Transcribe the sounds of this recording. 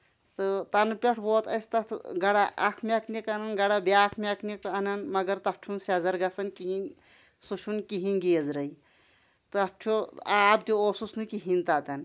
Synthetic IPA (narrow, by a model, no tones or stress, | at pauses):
t̪ɨt̪ɐnpʲeʈʰboːt̪ɐ̰sʲt̪ɐt̪ʰɡɐɽaʔɐkʰmʲɐkʰnikɐnɐnɡɐɽabeaːkʰmʲɐkʰnikɐnɐnmɐɡɐɾt̪ɐp̚ʈʰunsɐzɐɾɡɐsɐnkiɦin | suʃʰunkiɦinɡeːzɾɐi | t̪ɨp̚ʈʰuaːbd̪ʲooːsusnɨkiɦint̪aːt̪ɐn